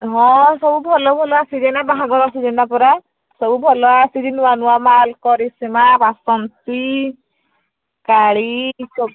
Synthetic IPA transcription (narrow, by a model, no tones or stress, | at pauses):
ɦɔ̃sɔbubʱɔlɔbʱɔlɔasid͡ʒɛnabaɦaɡɔɾasid͡ʒɛnapɔɾa | sɔbubʱɔlɔasid͡ʒinuwanuwamalkɔɾisimabasɔnsi | kaɽisɔ